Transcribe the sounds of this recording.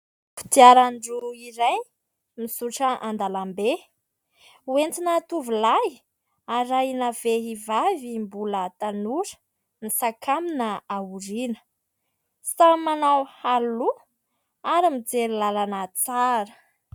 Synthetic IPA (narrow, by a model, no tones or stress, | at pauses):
fu̥t̪iaɾaɳɖ͡ʐuiɾaj | misuʈ͡ʂəʔand̪alambe | went̪inat̪uvilaj | aɾajnaveɦivavimbulət̪anuɾə̥ | misakʰaminəauɾinə̥ | samanawhalu | aɾimid͡zeɾilalanət͡saɾə̥